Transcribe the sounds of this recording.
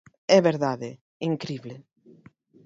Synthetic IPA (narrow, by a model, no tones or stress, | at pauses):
ɛβeɾðaðe | iŋkɾiβle